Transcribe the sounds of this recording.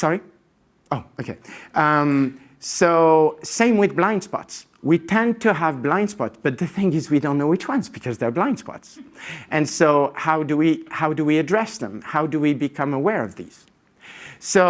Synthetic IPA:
sɑɹi | oʊoʊkʰeɪʔʌm | soʊsẽɪ̃mwɨðblãɪ̃nd̥spɑ̰ts | witʰɛ̃ntʰɨəvblãɪ̃nd̥spɑtsb̥ʌt̪̚ðɨθɪ̃ŋɪzwidõnːoʊɨtʰwʌ̃nsb̥ɨkʰʌzðə˞blãɪ̃nd̥spɑ̰tsʔɨ̃nsoʊhaʊdɨwihaʊdɨwiɨdɹɛsðə̰̃mhaʊdɨwibɨkʰʌ̃məwɛɹʌvðḭz̥ | soʊ

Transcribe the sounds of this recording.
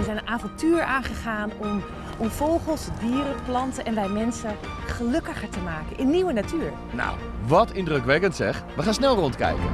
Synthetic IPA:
əzɛjnənaːvɑntyːɹaːnχəχaːnɔm | ɔmfowχəlˠsdiːɾəplɑntəʔɛnʋɛjmɛnsə | χəlɵkəχəɹtəmaːkənʔɪnːiwʋənatyːɹ | na̰w | ʋɔtɪndrøkʋɛkəntsɛχʋəχaːnsnɛlˠrɔntkɛ̰jkə̰n

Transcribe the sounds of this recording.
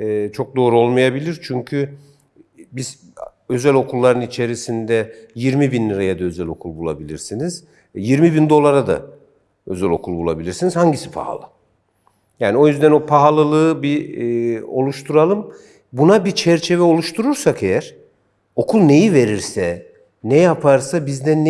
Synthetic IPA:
ɛːt͡ʃʰo̞k̚d̪o̞ːɾuo̞lˠmajabilʲiɾt͡ʃʰyɲcʰy | biz̥ | ø̞zælʲo̞kʰulˠːaɾɯnit͡ʃʰe̞ɾisind̪ɛjiɾmibinlːʲiɾajad̪aø̞zɛlʲo̞kʰulˠbulˠa̰bilʲiɾsiniz̥ | jiɾmibind̪o̞lˠaɾad̪a̰ | ø̞zælo̞̰kʰulˠbulˠa̰bilʲiɾsinizhaɲɟisi̥pʰa̰ha̰lˠɯ̰ | jaːnio̞jyzd̪æno̞pʰaɦalˠɯlˠɯbi | o̞lˠuʃt̪ʰuɾalˠɯm | bunabit͡ʃʰɛɾt͡ʃʰe̞vɛo̞lˠuʃt̪ʰuɾuɾsake̞jæɾ̥ | o̞kʰulˠne̞jive̞ɾiɾsɛ | nɛjapʰaɾsabizd̪ɛn

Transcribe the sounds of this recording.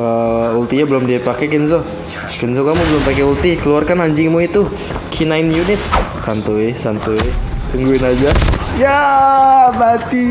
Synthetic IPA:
əult̪iɲabəlʊmdiapakɛkɪns̬o | kəns̬okamubəlʊmpak̬ɛult̪ikəluarkanhaɲd͡ʒɪŋmuit̪u | kʰinaɪnjunɪt̪̚sant̪uɪsant̪uɪsəŋɡuɪnad͡ʒaja | bat̪i

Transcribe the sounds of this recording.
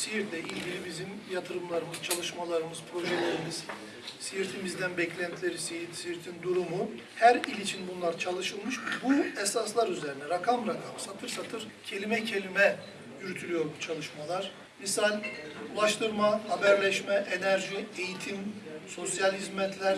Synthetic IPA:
sijiɾt̪ɛʔilʲɟilʲibizim | jat̪ʰɯɾɯmlˠaɾɯmɯz̥t͡ʃʰalˠɯʃmalˠaɾɯmɯz̥pʰɾo̞ʒɛlʲeɾimiz̥ | sijiɾt̪ʰimizd̪ænbɛclʲænt̪ʰilʲeɾisijit̪siɾt̪ʰind̪uɾumu | hæɾilʲit͡ʃʰinbunlˠaɾt͡ʃʰalˠɯʃɯlˠmɯʃbuɛsaslˠaɾyzeɾinɛɾakʰamɾakʰamɯsat̪ʰɯɾsat̪ʰɯɾ | cʰe̞lʲimɛcʰe̞lʲimɛ | jyɾt̪ʰylʲyjo̞ɾbut͡ʃʰalˠɯʃmalˠaɾ̥ | misalʲulˠaʃt̪ʰɯɾmahabæɾlʲɛʃmɛʔenæɾʒiejit̪ʰimso̞sjalʲɦizmɛt̪ʰlʲæɾ

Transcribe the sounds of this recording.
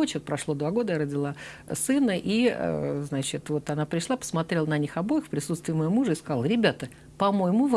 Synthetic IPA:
ot͡ɕot̪̚pɾɐʂlˠod̪vaɡo̞d̪əjaɾədʲɪlˠa | sɨnəʔḭznat͡ɕɪt̪vo̞t̪anapɾʲɪʂlˠapə̥smɐt̪ɾʲe̞lˠənɐnʲixɐbo̞jɪxpɾʲɪsut̪st̪vʲɪːmɐjomuʐəɪskɐzalˠɾʲɪbʲat̪ə | pɐmojmuv

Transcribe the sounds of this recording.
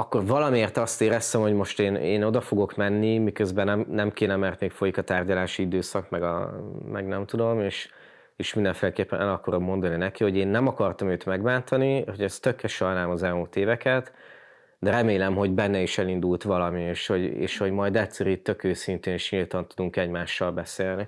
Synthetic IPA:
ɒkːo̞rvɒlɒmieːrt̪ɒst̪eːɾɛst̪ɛmho̞ɟmo̞ʃt̪eːnḛːno̞d̪ɒfo̞ɡo̞kmɛnːimikøzbɛnɛmnɛmkeːnɛmɛrt̪meːkfo̞jikɒt̪aːrɟɒlaːʃiid̪øːsɒkmɛɡɒ̰mɛ̰ɡnɛmt̪ud̪o̞meːʃ | eːʃmind̪ɛɱfeːlɛkeːpːɛnʔɛlɒkɒɾo̞mːo̞nd̪ɒninɛkiho̞ɟeːnːɛmɒkɒrt̪ɒmøːt̪mɛɡbaːnt̪ɒnihoɟɛst̪økːɛʃɒjnaːlmɒzɛlmult̪eːvɛkɛt̪ | d̪ɛɾɛmeːlɛmɦo̞ɟbɛnːɛiʃɛlind̪ult̪ʋɒlɒmieːʃho̞ɟḛːʃho̞ɟmɒjd̪ɛt̪sɛɾyt̪ø̞køːsint̪eːniʃɲilt̪ɒnt̪ud̪uŋkɛɟmaːʃːɒlbɛseːlni

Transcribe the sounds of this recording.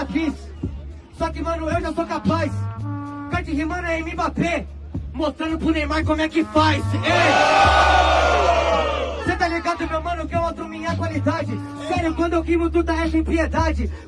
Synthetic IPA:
ad͡ʒis | sɔkɪmɐ̃nʊewʒasokapajs | kat͡ʃɪɦimɐ̃nɛẽmĩbape | most̪ɾɐ̃nʊpɾʊnẽj̃maɾkõmʊɛkɪfajsee | sẽt̪aliɡãd̪ʊmewmɐ̃nʊkɛɾat̪ɾõmĩɲakwalid̪ad͡ʒɪ | sɛɾʊkwɐ̃nd̪ʊewkivʊt̪ud̪aɛʃɐẽpied̪ad͡ʒɪ

